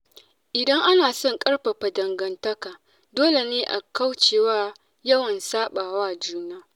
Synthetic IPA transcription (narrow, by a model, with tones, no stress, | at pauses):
ʔɪ˨dɐ˦ŋʔa˦naː˨sɔ˦ŋkʼɐ˦ɽɸa˨ɸa˨dɐ˨ŋɡɐ˨ntɐ˦kaː˨ | doː˦le˨neː˦ʔa˨ka˦wt͡ʃeː˨waː˦ | jɐ˦wɐ˨nsaː˦ɓaː˨waː˦˨d͡ʒuː˦naː˦